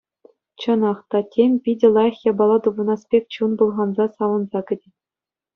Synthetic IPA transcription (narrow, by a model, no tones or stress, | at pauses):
t͡ɕɤ̆nɑχt̪ɑtʲemʲpʲidʲɘ̆lˠɑjɤ̆χjɑbɑlˠɑt̪ubɤ̆nɑspʲekʲt͡ɕunbulˠʁɑnzɑsɑʋɤ̆nzɑkʲɘ̆dʲɘ̆